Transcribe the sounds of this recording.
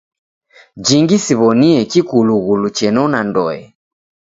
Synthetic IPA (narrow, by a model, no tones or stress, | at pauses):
d͡ʒiŋɡisiβɔniɛkikuluɣulut͡ʃɛnɔnandɔ̰ɛ